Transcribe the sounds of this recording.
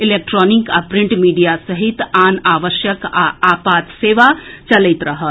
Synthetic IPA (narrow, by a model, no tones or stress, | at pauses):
ilek̚ʈɾɔːnikapɾiɳʈmiːɖijasəɦit̪aːnaːʋəʃjəka̰apaːt̪seːʋat͡ʃɐləɪt̪ɾəɦət̪